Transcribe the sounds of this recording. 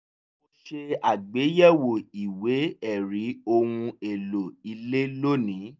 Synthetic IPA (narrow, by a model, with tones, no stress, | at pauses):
o˧ʃe˧a˨ɡ͡be˨˦jɛ˦˨wo˨i˨we˨˦ɛ˦˨ɾi˨˦o˧wũ˧e˨lo˨i˧le˦lo˦nĩ˨˦